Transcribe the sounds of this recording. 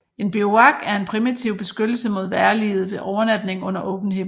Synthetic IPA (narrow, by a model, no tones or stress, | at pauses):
e̝nb̥ioɑ̈ɡ̥æɐe̝npʰʁimit͡sʰiʊ̰b̥e̝sɡ̥ød̥l̩səmo̝ð̞ˠʋæɐlið̞̩ˠʋe̝ʔɒʊɐnæd̥ne̝ŋɔ̽n̰ɐʔɔ̽b̥n̩ɦe̝m